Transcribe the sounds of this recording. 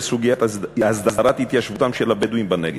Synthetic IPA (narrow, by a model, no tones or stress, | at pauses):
suɡijat̪azd̪azaɾat̪it̪jaʃvut̪amʃɛlabed̪uimbaneɡi